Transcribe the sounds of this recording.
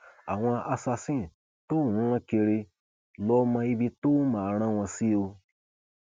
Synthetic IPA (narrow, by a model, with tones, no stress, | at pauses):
a̰˨w̃ã˧ʔa˧sa˧sĩ˦˨ | to˦˨nũ˧˦ɾ̃ã˧ke˧ɾe˧ | lɔ˧˦mã˧i˧bi˧to˦mã˨˧ɾ̃ã˧w̃ã˧si˦˧o˧